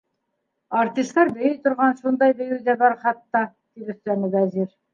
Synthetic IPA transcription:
ɑɾt̪ist̪ɑɾbɘ̆jɘjt̪ŏɾʁɑnʃund̪ɑjbɵ̆jɘd̪æbɑɾχɑt̪ːɑ | t̪iɾɵ̆θt̪ænɘ̆dæziɾ

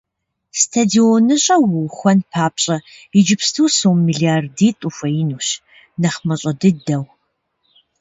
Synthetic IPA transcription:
stʰadionɨɕʼɐwʊwxʷɐnpʰaːpɕʼɐid͡ʒɪpstʰɨwsowmːiːɮiardiːtʼufɐjinuːɕ | nɐχmɐɕʼɐdɨdɐw

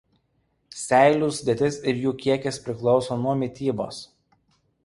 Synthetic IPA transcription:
sʲæˑɪlʲuːsd̪ʲeɛt̪ʲɪsɪɾjuːkʲiɛkʲɛspʲɾʲɪklˠɔʊsoːnuɔmʲɪt̪ʲiːbo̰ːs

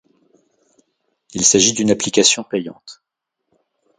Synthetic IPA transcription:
ilsaʒid̪ynaplikʲasjɔ̃pejɑ̰̃t̪

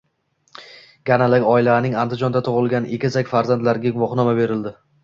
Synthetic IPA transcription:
ɡ̥ʲanalakʲɒɪlanɪŋand̪ɪd͡ʒɒnd̪at̪ʰʊʁɨlˠɡʲanʔekʲɪzakʲfaɾzant̪laɾɡʲaɡʊvɒχnɒmabe̞ɾɪld̪ɪ

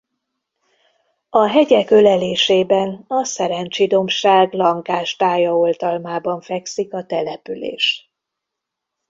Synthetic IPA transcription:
ɒɦɛɟɛkølɛleːʃeːbɛnɒsɛɾɛɲt͡ʃid̪o̞mʃaːɡlɒŋkaːʃt̪aːjɒolt̪ɒlmaːbɒɱfɛksikɒt̪ɛlɛpylḛːʃ

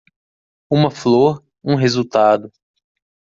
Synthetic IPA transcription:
ũmɐfloɾ | ũɦezut̪ad̪ʊ

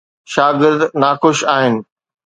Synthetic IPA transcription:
ʃaːɡɪɾd̪naːxʊʃaːɦɪnɪ̆

